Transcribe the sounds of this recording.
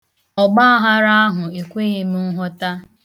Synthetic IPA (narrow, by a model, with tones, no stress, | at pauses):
ɔ˨ɡ͡ba˦a˦ɦa˦ɾa˦a˦ɦʊ˨e˨kʷe˦ɣe˦m̩˦ɦɔ˦ta˦